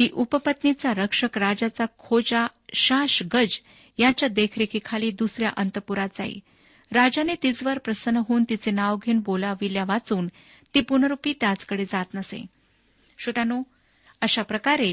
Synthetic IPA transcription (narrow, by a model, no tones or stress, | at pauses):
t̪iːʔupəpət̪nit͡saɾəkʂəkɾad͡ʑat͡sakʰod͡ʑaɕaʂɡəd͡ʑ | jat͡ɕjad̪ekʰɾekʰikʰaliːd̪usɾja̰ʔənt̪əpuɾad͡za̰ɦḭ | ɾad͡ʑanet̪it͡sʋəɾpɾəsənːəɦoːnt̪it͡senaʋɡʱeːnbolaʋiljaʋat͡suːn | t̪iːpunəɾupiːt̪jat͡skəɽed͡zat̪nəsḛ | ɕut̪ano | əɕapɾəkaɾe